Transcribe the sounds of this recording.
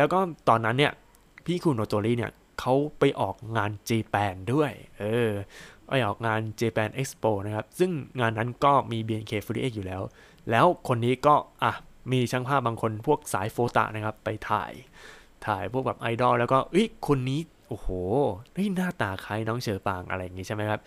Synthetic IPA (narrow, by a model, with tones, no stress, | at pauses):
lɛː˦˥wkɔː˥˩t̪ɔː˧nːa˦˥nːi˥˩ɐ | pʰiː˥˩kʰu˧noː˧t̪oː˧liː˥˩ni˦˥˩ɐ | kʰa˦˥wpa˧jʔɔː˨˩k̚ŋaː˧nt͡ɕeː˧pɛː˧ndu˥˩əjʔɤː˧ʔa̰˧˩jʔɔː˨˩k̚ŋaː˧nt͡ɕeː˧pɛː˧nʔe˦˥k̚spoː˧na˦˥kʰa˦˥p̚sɯ˥˩ŋŋaː˧nːa˦˥nkɔː˥˩miː˧biː˧ʔe˧nkʰeː˧˩fu˧˦ḭː˦˥ʔeː˥˩k̚juː˨lɛː˦˥w | lɛː˦˥wkʰo˧nːiː˦˥kɔː˥˩ʔa˨˩miː˧t͡ɕʰa˦˥ŋpʰaː˥˩p̚baː˧ŋkʰo˧npʰu˥˩ək̚sa̰ː˩˦jfoː˧t̪a̰˨˩ʔna˦˥kʰa˦˥pːa˧jt̪ʰa̰ː˨˩j | t̪ʰa̰ː˨˩jpʰu˥˩k̚bɛ˨˩pʔa˧jdɔː˥˩lɛː˦˥wkɔː˥˩ʔɤ˦˥jkʰo˧nːiː˦˥ | ʔoː˧˩hoː˨˩da˥˩jnaː˥˩t̪aː˨˩kʰaː˨˥jnɔː˦˥ŋt͡ɕʰɤː˨˩paː˧ŋʔa̰˧ɾa˧jːa˨˩ŋiː˦˥t͡ɕa˥˩ma˦˥jkʰa˦˥p̚